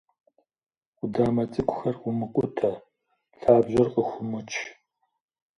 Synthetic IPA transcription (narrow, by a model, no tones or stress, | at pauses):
ʊdaːmɐt͡sʼɨkʷʼʊxɐrʷʊmɨqʷʼʊtʰɐ | ɬaːbʑɐrqʼəxʷʊmɨt͡ʃʼʰ